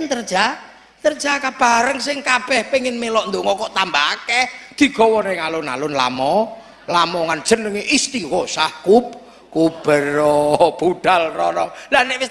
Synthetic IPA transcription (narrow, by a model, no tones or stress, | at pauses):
nt̪ərd̥ʒ̥a | t̪ərd̥ʒ̥akab̥a̤ɾəŋsɪŋkab̥ɛhpeŋɪnmelɔʔnd̪uŋɔkɔʔt̪ambaaked̪̥i̤ɡ̥ɔ̤wɔneŋalʊna̰lʊnla̰mɔ | lamɔŋan̥ʒ̥ə̤nːəŋeʔist̪iwɔsahkup̚ | kub̥əɾɔb̥uɖ̥alrɔɾɔlanewɪs